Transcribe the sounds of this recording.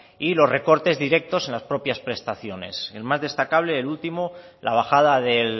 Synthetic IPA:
ilo̞zre̞ko̞ɾt̪e̞zðiɾe̞k̚t̪o̞sẽ̞nlaspɾo̞pjaspɾe̞st̪aθjo̞ne̞̰selmazðe̞st̪akaβ̞le̞ːlult̪imola̰β̞axað̞aðe̞l

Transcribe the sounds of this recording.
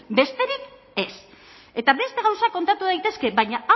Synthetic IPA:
be̞st̪e̞ɾik | e̞s | e̞t̪aβe̞st̪e̞ɣ̞awsako̞nt̪at̪uðajt̪e̞ske̞βajɲaʔa

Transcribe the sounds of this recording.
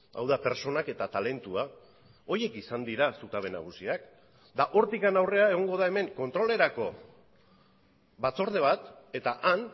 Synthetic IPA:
a̰wðape̞ɾt͡ʃo̞nake̞t̪at̪ale̞nt̪ua | o̞ɾje̞kisand̪iɾasut̪aβe̞na̰ɣ̞usiak | d̪aʔo̞ɾt̪ikanawre̞ae̞ɣ̞o̞ŋɡo̞ðae̞me̞ŋko̞nt̪ɾo̞le̞ɾako̞ | bat͡so̞ɾð̞e̞β̞at̪e̞t̪aʔan

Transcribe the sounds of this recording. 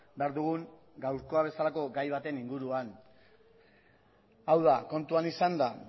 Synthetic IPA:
be̞aɾðuɣ̞uŋ | ɡawɾko̞aβ̞e̞salako̞ɡajβ̞at̪e̞niŋɡuɾuan | awð̞ako̞nt̪uanisand̪a

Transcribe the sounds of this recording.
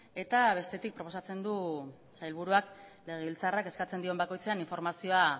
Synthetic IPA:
e̞t̪aβ̞e̞st̪e̞t̪ik̚pɾo̞po̞sat͡se̞nd̪u | sajlβuɾuakle̞ɣ̞e̞βilt͡sarake̞skat͡se̞nd̪io̞mbako̞jt͡se̞aniɱfo̞ɾmasio̞a

